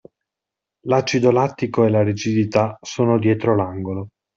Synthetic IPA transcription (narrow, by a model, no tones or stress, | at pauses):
lat͡ʃːid̪olat̪ːikoelaɾid͡ʒid̪it̪asoːnod̪jɛːt̪ɾolaŋɡolo